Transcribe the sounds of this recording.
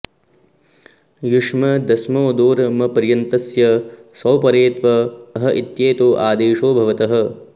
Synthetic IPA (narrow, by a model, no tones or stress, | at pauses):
juʂmɐd̪ɐsmoːd̪oːɾɐmɐpɐɾjɐnt̪ɐsjɐsɐwpɐɾeːt̪ʋɐːɦɐʔit̪jeːt̪oːʔaːd̪eːʂoːbʱɐʋɐt̪ɐɦɐ̆